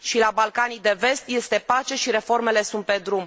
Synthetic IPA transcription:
ʃilabalkanijd̪e̞ve̞st̪je̞st̪e̞pat͡ʃe̞ʃiɾe̞fo̞rme̞le̞sunt̪̚pe̞d̪ɾum

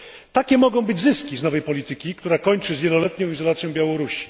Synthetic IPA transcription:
t̪akʲɛmɔɡɔ̃w̃bɘd͡ʑzɘskʲiznɔvɛjpɔlʲit̪ɘkʲikt̪uɾakɔɲt͡ʂɘzvʲjɛlɔlɛt̪ɲɔ̃w̃izɔlat̪sʲjɔ̃bjawɔɾuɕi̥

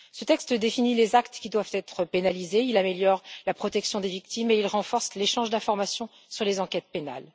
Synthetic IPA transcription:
sət̪ɛkst̪d̪efinilezakt̪kʲid̪wav̥t̪ɛt̪χəpenalizeilameljɔʁlapχɔt̪ɛksjɔ̃d̪evik̚t̪imeilʁɑ̃fɔʁsleʃɑ̃ʒd̪ɛ̃fɔʁmasjɔ̃ | syʁlezɑ̃kʲɛt̪̚pena̰l

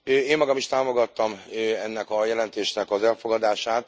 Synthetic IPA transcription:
øeːmːɒɡɒmiʃt̪aːmo̞ɡɒt̪ːɒmøɛnːɛkɒjɛlɛnt̪eːʃnɛkɒzɛlfo̞ɡɒd̪aːʃaːt̪

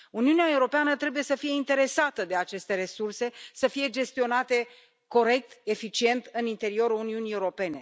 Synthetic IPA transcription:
uniuneae̞uɾo̞peanət̪ɾe̞buje̞səfije̞int̪e̞ɾe̞sat̪əd̪e̞at͡ʃe̞st̪e̞ɾe̞surse̞səfije̞d͡ʒe̞st̪io̞nat̪e̞ | ko̞ɾe̞k̚t̪e̞fit͡ʃie̞nt̪ɨnint̪e̞ɾio̞ɾuluniunie̞uɾo̞pe̞ne̞

